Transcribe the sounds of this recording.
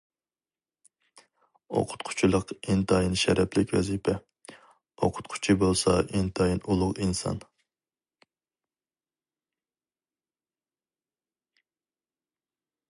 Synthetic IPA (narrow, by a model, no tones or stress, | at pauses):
o̰qʰʊ̥t̪̚qʰʊ̥t͡ʃʰilˠəqint̪ʰɑjinʃɛɾɛpʰlɪkʲwɛ̰zipʰɛ | oqʰʊ̥t̪̚qʰʊ̥t͡ʃʰibolˠsɑʔint̪ʰɑjinulˠʊqinsɑ̰n